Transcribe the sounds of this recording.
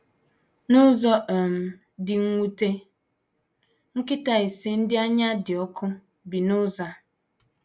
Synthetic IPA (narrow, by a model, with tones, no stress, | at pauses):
nʊ˦zɔ˦ʔm̩˨ | dɪ˨ŋ̩˦ŋʷu˦te˦ | ŋ̩˦kɪ˦ta˦e˨si˦n̩˦dɪ˦a˦ɲa˦dɪ˨ɔ˦kʰʊ˦ | bi˨nʊ˦za˨